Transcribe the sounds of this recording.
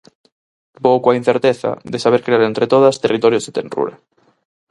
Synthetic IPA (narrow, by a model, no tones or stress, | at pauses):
bowkwain̟θeɾt̪eθa̰ðesaβeɾkɾeaɾent̪ɾet̪oð̞ast̪erit̪oɾjozðet̪enrṵɾa̰